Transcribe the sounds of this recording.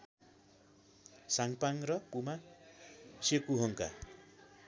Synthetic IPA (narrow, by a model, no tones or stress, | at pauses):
saŋpaŋrʌpuma | sekuɦʌŋka̰